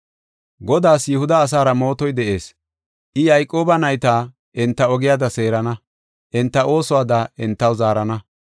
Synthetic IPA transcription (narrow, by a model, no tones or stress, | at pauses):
ɡɔd̪aːsjʊhʊd̪ɐːs̬aːɾɐmo̞ːt̪ɔjd̪ɛʔe̞ːs | ʔɪjɐjkʼːo̞ːbɐnɐjt̪aː | ʔɪnt̪ːɐɔɡɪjaːd̪ɐse̞ːɾɐnɐ | ʔɪnt̪ːɐʔo̞ːsɔwaːd̪aʔɪnt̪ːɐwzaːɾɐnɐ